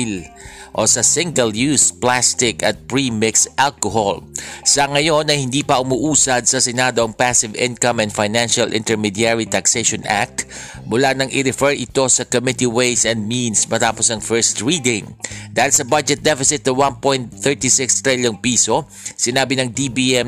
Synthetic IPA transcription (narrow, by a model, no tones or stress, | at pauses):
l | ʔosɐsɪŋɡɐljuːsplast̪ɪkɐ̰t̪̚pɹimɪksʔalkoɦolsɐŋɐjo̞nɐjhɪnd̪iːpɐʔʊmʊʔuːsɐd̪̚sɐsɛnad̪oʔɐŋpasɪvɪ̰̃nkɐmɛ̃nd̪fajnanʃɐlʔɪ̰nt̪ɛɹmid̪jaɹit̪ɐksejʃɔnʔa̰k̚t̪ | mʊlanɐŋʔɪɾɛfɛɹʔɪt̪o̞sɐkomɪt̪iwejsɛnd̪̚minsmɐt̪aːposɐŋfɛɹst̪ɹiːd̪ɪ̃ŋd̪aːhɪlsɐbad͡ʒɛt̪̚d̪ɛfɪsɪt̪̚ːʊwanpojnt̪θɛɹt̪isɪkst̪ɹɛljoŋpiːso | sɪnaːbɪnɐŋd̪ibiɛm